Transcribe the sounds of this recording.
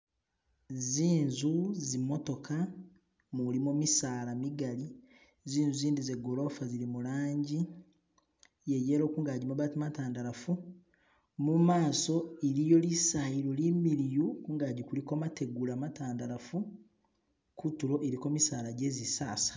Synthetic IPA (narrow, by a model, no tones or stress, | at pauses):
ziːnzuzimo̞to̞ka | mulimomisaːlamiɡali | ziːnzuziːndizeɡo̞lo̞faziɾimulaːɲɟi | jejeːɾo̞ːkuːŋɡaɟimuβatimataːndaɾafu | mumaːso̞eɾijo̞lisajiɾolimiɾijukuːŋɡaːɟikulikomate̞ɡulamataːndaɾafu | kutuɾo̞ʔeɾiko̞misaːlaɟe̞ːzisa̰ːsḁ